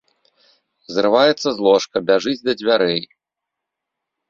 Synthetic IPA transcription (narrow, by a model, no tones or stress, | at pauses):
zrɨvajɛt̪sːɐzlˠɔʂkɐbʲaʐɨd͡zʲd̪ɐd͡zʲvʲaɾɛj